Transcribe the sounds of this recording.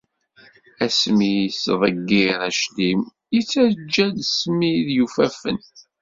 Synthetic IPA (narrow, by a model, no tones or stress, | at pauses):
æsmijsðˤəɡːiɾæʃlim | jit͡sːæɾd͡ʒːæðsmiðjufæfə̰n